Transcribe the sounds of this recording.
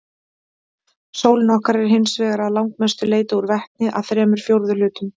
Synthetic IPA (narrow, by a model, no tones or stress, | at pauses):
sowlɪnɔhkaɾɛɾ̥ɦɪnsvɛːɣaɾaðlawŋkmɛst̪ʏleːjt̪auɾvɛht̪̚nɪʔa̰ðθɾɛːmʏɾ̥fjowɾðʏlʏːt̪ʏm